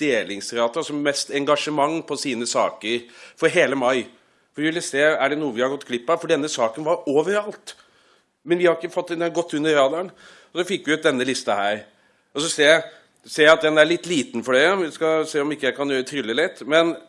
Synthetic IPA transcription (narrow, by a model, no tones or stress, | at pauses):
d̪̥eːlɪŋsɾɑːt̪əsɔmːɛst̪ɛŋɡɑʂəmɑŋːpʰɔsiːnəsɑːkəɾfɔɾɦeːləmɑɪ | fɔɾʋɪʋɪlːəseːæɖɛnuːəʋɪhɑɾɡɔt̪ːkʰlɪpːɑfɔɖɛnːəsɑːkənʋɑɾoːʋəɾɑlt̪ | mɛnʋɪhɑɾɪkːəfɑt̪ːɛnɡɔt̪ʰːʉnːəɾɑːd̪ɑn | ɔsɔfɪkːʋɪʉt̪̚d̪ɛnːəlɪst̪ɑhæːɾ | ɔsɔseːjæɪ | seːɾjæɪɑt̪̚d̪ɛnæɭɪt̪ːliːt̪n̩fɔɖɛɔʋɪskɑseːɔmɪkːəjæɪkʰɑnjøːɾət̪ʰɾʏlːəlɪt̪ːmɛn